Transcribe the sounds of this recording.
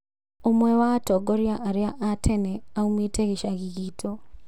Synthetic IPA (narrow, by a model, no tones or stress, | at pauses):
omwewatoɡoɾjaʔaɾjaʔatʰeneaumwiteɣiʃaɣiɣiːtʰo